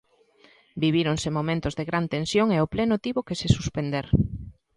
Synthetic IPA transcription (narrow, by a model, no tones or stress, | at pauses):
biβ̞iɾonsemomẽnt̪ʊzðeɣɾant̪ẽnsjoŋeoplenot̪iβokesesuspend̪eɾ